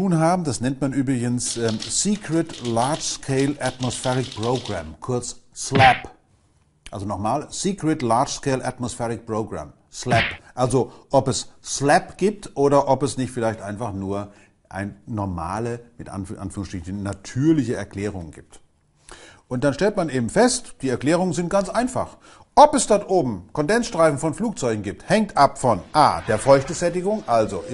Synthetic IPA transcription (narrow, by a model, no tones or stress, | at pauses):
tuːnɦaːbm̩d̥asnɛntmanʔyːbʁɪɡənsʔɛsiːkʁ̥ətlaɐt͡ʃskʰeɪlatmosfɛʁɪkpʁ̥oːɡʁamkʰʊɐt͡sslɛp | ʔalzonɔχmaːlsiːkʁ̥ɛtlaɐʃskeɪlʔa̰tmosfɛʁɪk̚pʁ̥oːɡʁa̰m | slɛpʔalzoʔɔpɛsslɛpɡ̥iːp̚tʔoːɾɐʔɔpɛsnɪçtfɪlaɪçtʔaɪnfaχnuːɐ | ʔa̰ɪnːɔɐma̰ːləmɪtʔa̰nfʔa̰nfyːʁʊŋsʃtʁ̥ɪçn̩nːatʰyːɐlɪçəɛɐkl̥ɛːʁ̞ʊŋənɡḭːp̚t | ʔʊnt̚d̥anʃtɛltmanʔeːbm̩fɛstd̥iːɛɐklɛːʁ̞ʊŋənzɪnt̚ɡ̥ant͡sʔaɪnfa̰χ | ʔɔpɛsd̥ɔɐtʔoːbm̩kɔndɛnsʃtʁ̥aɪfn̩fɔnfluːk̚t͡sɔʏɡŋ̩ɡiːp̚thɛŋ̚tʔapfɔnʔa̰ːd̥eːɐfɔʏçtəzɛtɪɡʊŋʔalzo